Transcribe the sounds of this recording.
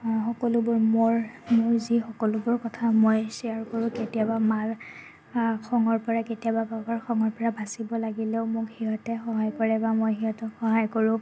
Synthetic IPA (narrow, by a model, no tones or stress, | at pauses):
xɔkɔlʊbʊɹmoɹmʊɹzixɔkɔlʊbʊɹkɔtʰamojsiaɹkɔɹʊ̃ketijabamaɹ | kʰɔŋɔɹpɔɹaketijababakaɹxʰɔŋɔɹpɔɹabʱasibɔlaɡileʊmʊkhiɦɔtɛxɔɦajkɔɹɛbamojɦiɦɔtɛxɔɦajkɔɹʊ̃